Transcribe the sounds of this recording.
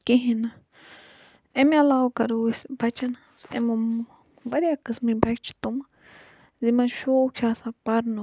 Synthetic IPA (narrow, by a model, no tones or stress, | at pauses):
kiɦĩnã | emĩalawkaɾuisbat͡ʃana | sḛmũ | baɾjakɨsmĩbakt͡ʃi̥t̪umã | zimãʃokʰasapaɾnu